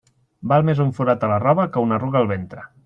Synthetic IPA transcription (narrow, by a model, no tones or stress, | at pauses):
balˠmezuɱfuɾat̪ələrɔβəkəunəruɣəːlˠβent̪ɾə